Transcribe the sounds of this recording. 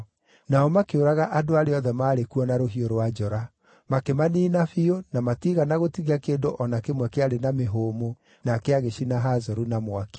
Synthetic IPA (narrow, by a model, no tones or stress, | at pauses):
naɔmakeoɾaɣaʔadoaɾeɔðɛmaːɾekuɔnaɾoɦioɾowad͡ʒɔɾa | makemaniːnafionamatiɣanaɣotiɣakeːndoʔɔnakemwɛkeaɾenameɦoːmo | nakeaɣeɕinaɦazɔɾunamwake̥